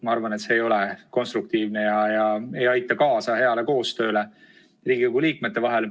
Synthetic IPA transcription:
mɑɑɾvɑnet̪se̞ːjo̞le̞ko̞nst̪ɾuk̚t̪iːvne̞jɑjɑe̞jɑjt̪ːˑɑkɑːsɑhe̞ɑle̞ko̞ːst̪ø̞ːle̞ | riːɡikoɡuliːkme̞t̪ːe̞vɑɦe̞l

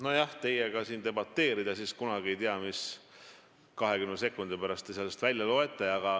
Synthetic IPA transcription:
nojɑht̪e̞jeɡ̥ɑsiːnd̪e̞bɑt̪ːe̞ːɾid̪̥ɑsiskunɑɡie̞jt̪iɑmis | kɑɦe̞ɡymnese̞kːˑund̪̥ipæɾɑst̪ˑesɑlest̪vælʲjɑlo̞e̞t̪ˑːɑɑɡ̥ɑ

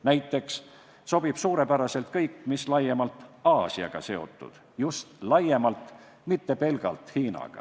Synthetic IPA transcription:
næjt̪ːˑe̞ks | so̞b̥ib̥suːɾe̞pæɾɑse̞lt̪kɤjkːmislɑje̞mɑlt̪ˑɑːsiɑ̰ɡ̥ɑ̰se̞o̞̰t̪ˑːṵd̪̥ | just̪lɑje̞mɑlt̪ˑ | mit̪ːe̞pe̞lɡ̥ɑ̰lt̪hiːnɑ̰ɡ̥ɑ̰

